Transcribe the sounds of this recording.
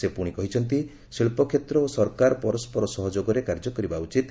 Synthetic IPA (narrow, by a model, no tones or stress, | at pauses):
sepuɽ̃ikɔɦit͡ʃʰɔnt̪i | siɭpɔkʰjet̪ɾɔosɔɾkaɾɔpɔɾɔspɔɾɔsɔɦɔd͡ʒoɡɔɾekaɾd͡ʒɔkɔɾibaut͡ʃit̪